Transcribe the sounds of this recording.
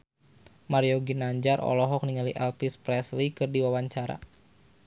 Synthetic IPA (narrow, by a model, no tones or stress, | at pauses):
maɾioɡinaɲd͡ʒarʔɔ̰lɔɦɔk̚niŋaliʔɛlpispɾɛslikɨrdiwawaɲt͡ʃaɾa̰